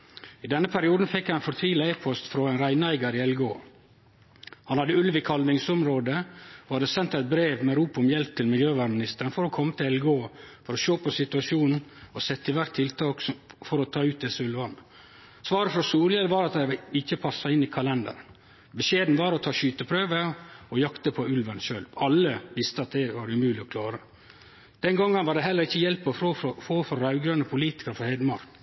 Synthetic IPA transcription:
ɪd̪ɛnːəpʰæɾɪuːd̪n̩fɛkːæɛnfɔɾt̪ʰʋiːləeːpʰɔst̪fɾɔɛnɾæɪnæɪɡəɾɪɛlɡo̰ː | hɑnhɑd̪əʉlʋɪkʰɑlʋɪŋsʊmɾoːd̪əohɑd̪əsɛnt̪æɪt̪̚bɾeːʋmɛɾuːpʊmjɛlp̚t̪ʰɪlmɪljøːʋæːɾmɪnɪst̪əɾənfɔɾɔkʰɔmːət̪ʰɪlɛlɡoːfɔɾɔʃoːpʰɔsɪt̪ʉɑʃuːnn̩ɔsɛt̪ːɪʋæɾʈ̪t̪ʰɪlt̪ʰɑːkfɔɾɔt̪ʰɑːʉːt̪̚d̪ɛsəʉlʋɑnə | sʋɑːɾəfɾɔsuːlɪələʋɑɾɑt̪̚d̪æɪɪçːəpʰɑsːɑɪnːɪkʰɑlɛnd̪ə̰ɾən | bəʃeːd̪n̩ʋɑɾɔt̪ʰɑːʃyːt̪əpʰɾøːʋəɔjɑkt̪əpʰɔʉlʋɑnʃøːlʋɑlːəʋɪst̪əɑt̪̚d̪ɛʋɑːɾʉmʉːlɪɔkʰlɑːɾə | d̪̥ɛnɡɔŋːənʋɑɖ̪ɛɦɛlːəɾɪçːəjɛlpːɔoːɔfoːfɔɾɾɑʉɡɾɑnəpʰʊliːt̪ɪ̥kəɾfɔɾhɛɪd̪əmɑɾk

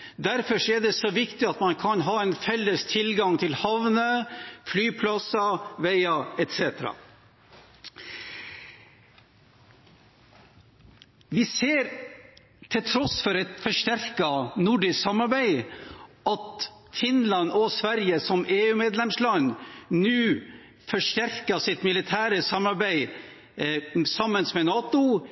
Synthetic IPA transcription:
d̪æɾfɔʂɔɛɖɛsɔʋɪkt̪ɪɑt̪mɑnkʰɑnɦɑːɛɪnfɛlːəst̪ʰɪlɡɑŋt̪ʰɪlhɑʋnəflyːpʰlɑsɑʋɛɪɑɛt̪sɛːt̪əɾɑ̰ | ʋɪseːɾ | t̪ʰɪt̪ʰɾɔsfɔɾɛt̪fɔʂʈæɾkɑnʊɖɪsksɑmːɑɾbæɪʔɑt̪ | fɪnlɑnɔsʋæɾjəsɔmʔeːʉːmeːd̪lɛmslɑnnʉː | fɔʂʈ̪æɾkəsɪt̪mɪlɪt̪ʰæːɾəsɑmːɑɾbæɪ | sɑmːənsmɛnɑːt̪ʊ

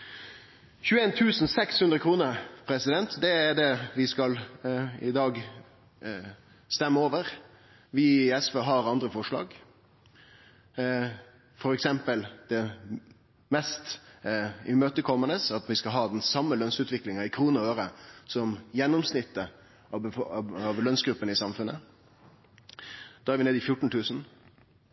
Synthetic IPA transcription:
çʉːeːnt̪ʰʉːsn̩sɛkshʉnd̪ɾəkʰɾuːnəɾpʰɾɛsɪd̪ɛnt̪d̪ɛæɖɛʋɪskɑlɪd̪ɑːɡ | st̪ɛmːəoːʋəɾ | ʋɪɛsʋøːɦɑɾɑnd̪ɾəfɔʂlɑ̰ːɡ | fɔɾɛksɛmpəld̪̥ɛ | mɛst̪ | ɪmøːt̪əkʰɔmːənəsɑt̪ʋɪskɑlɦɑːd̪ɛnsɑmːəlœnsʉːt̪ʰʋɪklɪŋɑɪkʰɾuːnəøːɾəsɔmjɛnːʊmsnɪt̪ːə | ɑʋlœnsɡɾʉpːənɪsɑmfʉnːə | d̪̥ːæɾʋɪneːd̪ɪfjʊʈːɳ̩t̪ʰʉːsn̩

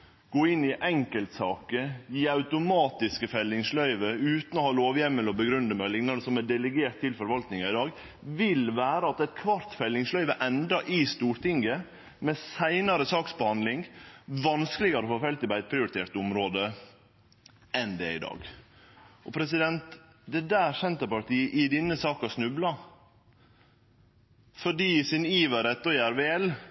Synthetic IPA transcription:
ɡ̥oːɪnːɪʔɛŋkəlt̪sɑːkəiːɑʉt̪ʊmɑːt̪ɪskəfɛlːɪŋslœʏʋəʉːt̪nɔhɑːloːʋjɛmːəlɔbəɡɾʉnd̪əmɛlɪŋnɑd̪əsɔmɛɖɛləɡeːʈt̪ʰːɪlfɔɾʋɑlt̪nɪŋɑɪd̪ɑːɡ | ʋɪlʋæːɾəɑt̪ɛt̪̚kʰʋɑɾt̪fɛlːɪŋslœʏʋəʔɛnd̪ɾɑʔɪst̪uːɾʈ̪ɪŋɡə | mɛsæɪnɑɾəsɑːksbəhɑnd̪lɪŋʋɑnskəlɪɡɑɾɔfoːfɛlt̪ɪbɑɪt̪̚pʰɾɪʊɾɪt̪ʰeːɾt̪ʊmɾoːd̪ə | ɛnd̪ɛɪd̪ɑ̰ːɡ | ɔpʰɾɛsɪd̪ɛnt̪ | d̪ɛd̪æːɾsɛnt̪əpɑɾt̪iːəʔɪd̪ɪnːəsɑːkɑʂnʉblɑ | fɔɖiːsɪniːʋəɾɛt̪ːɔjæɾʋeɛl

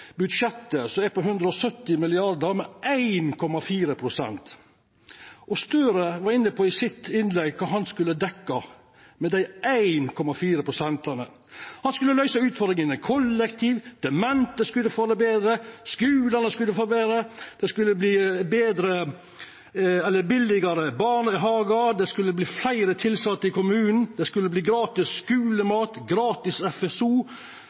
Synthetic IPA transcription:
bʉd̪ʂɛt̪ːəsɔmɛpɔɦʉnd̪ɾəɔsœt̪ːɪmɪlɪɑɾd̪əɾmɛʔæɪnkʰɔmɑfiːɾəpʰɾʊsɛ̰nt̪ | ʔɔst̪øːɾəʋɑɾɪnːəpʰɔɪsɪt̪ɪnlɛɡkʰɑːɦɑnskʉlːəd̪ɛkːɑ | mɛd̪æɪʔæɪnkʰɔmɑfiːɾəpʰɾʊsɛnt̪ɑnə | hɑnskʉlːəlœʏsəʉːt̪fɔɾd̪ɾɪŋənɛkʰɔlːɛkt̪ʰiːʋd̪̥ɛmɛnt̪əskʉlːəfoːd̪æɪbeːd̪ɾəskʉːlɑnəskʉlːəfoːbeːd̪ɾəd̪̥ɛskʉlːəbliːbeːd̪ɾə | ɛlːəbɪlɪɡɑɾəbɑːɳɪɦɑːɡɑd̪ɛskʉlːəbliːflæɪɾət̪ʰɪlsɑt̪ːəɾɪkʊmʉːnn̩d̪ɛskʉlːəbliːɡɾɑːt̪ɪsskʉːləmɑːt̪ɡɾɑːt̪ɪsɛfɛsuː

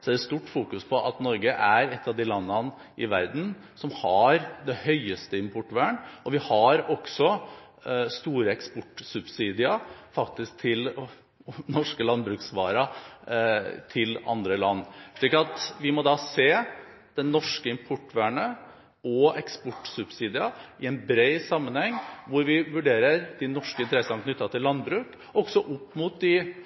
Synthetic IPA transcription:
sɔæɾɛst̪uːʈːfuːkʉspʰɔʔɑt̪nɔɾɡəʔæɾɛt̪ʰːɑʋd̪ɪlɑnːɑn | ʔɪʋæ̰ɾd̪n̩ | sɔmhɑɾd̪ɛhœʏəst̪əɪmpʰɔʈːʋæːɳɔʋɪhɑɾɔksɔ | st̪uːɾəɛkspɔʈːsʉbsiːd̪ɪɑfɑkt̪ɪsk̚t̪ʰɪl | nɔʂkəlɑnbɾʉːksʋɑːɾɑ | t̪ʰɪlɑ̰nd̪ɾəlɑnːʂɭiːkɑt̪ʋɪmɔd̪ɑːseː | d̪̥ɛnːɔʂkəɪmpʰɔʈːʋæɳə | ɔɛkspɔʈːsʉbsiːd̪ɪɑɪɛɪnbɾeɪsɑmːənhɛŋːʋʊɾʋɪʋʉɖeːɾəɾd̪ɪnɔʂkəɪnt̪əɾɛsːɑnkʰnʏt̪ːɑt̪ʰɪlːɑnbɾʉːk | ɔɡ̥sɔʔʊpːmut̪̚d̪ɪ

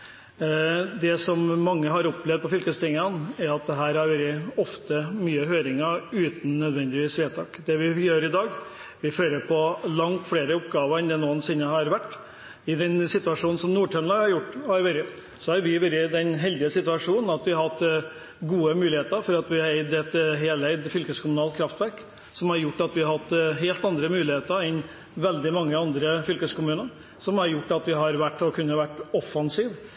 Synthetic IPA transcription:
d̪ɛsɔmːɑŋːəɦɑɾɔplɛʋd̪̚pʰɔfʏlkəst̪ɪŋənæɾɑt̪̚d̪ɛɦæːɾhɑɾʋɛld̪ɪɔft̪əmyːəɦøːɾɪŋəɾʉːt̪n̩nœd̪ʋɛnd̪ɪʋiːsʋeːt̪ʰɑːkd̪ɛʋɪjøːɾɪd̪ɑːɡ | ʋɪføːɾəpʰɔlɑŋt̪fɽeːɾəɔpɡɑːʋəɾɛnd̪ɛnuːənsɪnːəɦɑɾʋæʈː | ɪd̪ɛnsɪt̪ʉɑʂuːnn̩sɔmnuːʈʰœmlɑhɑɾjʊʈːhɑɾʋɛɾɡə | sɔhɑɾʋɪʋɛɾɡəd̪ɛnɦɛld̪ɪəsɪt̪ʉɑʂuːnn̩ɑt̪ʋɪɑɾhɑt̪ː | ɡuːəmʉːlɪheːt̪əɾfɔɾɑt̪ʋɪɑɾæɪd̪ɛt̪ɦeːlæɪd̪fʏlkəskʰʊmʉnɑːlt̪kʰɾɑft̪ʋæɾk | sɔmhɑɾjʊʈːɑt̪ʋɪɑɾhɑt̪ːɦeːlt̪ɑnd̪ɾəmʉːlɪheːt̪əɾɛn | ʋɛld̪ɪmɑŋːəɑnd̪ɾəfʏlkəskʰʊmʉːnəɾ | sɔmhɑɾjʊʈːɑt̪ʋɪɦɑɾʋæʈːɔkʰʉnːəʋæʈːɔfːɑnsiːʋ

